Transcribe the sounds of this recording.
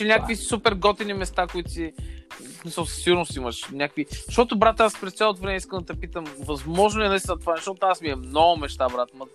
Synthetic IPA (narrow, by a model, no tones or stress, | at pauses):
t͡ʃɛnʲakkvisupɛɾɡɔt̪inimɛst̪akʊit̪t̪ismisəlˠsɐ̥siɡʊɾnʊst̪iməʃnʲakviʃt̪ɔt̪ʊbɾat̪aspɾɛst̪salˠot̪ovɾɛmɛiskənd̪ɐt̪ɐpit̪əmvɐzmɔʒnoɛnɐist̪ɛnɐt̪ovazʃt̪ɔt̪oasmiɛmnɔɡʊmɛʃt̪abɾat̪mət̪